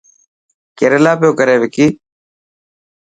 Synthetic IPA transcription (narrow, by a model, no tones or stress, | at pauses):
keːɾeːlaːpɪjoːkəɾeːʋɪkiː